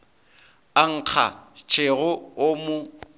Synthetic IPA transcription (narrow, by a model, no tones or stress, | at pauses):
aŋ̩q͡χʰa̰t͡ʃʰʼeɣʊːmʊ